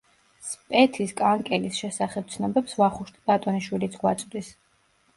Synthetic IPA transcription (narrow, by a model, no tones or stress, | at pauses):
spʼɛt̪ʰiskʼaŋkʼɛlisʃɛsaχɛb̚t̪sʰnɔbɛpsvaχuʃt̪ʼibat̪ʼɔniʃwilit̪sʰɡwat̪sʼd̪is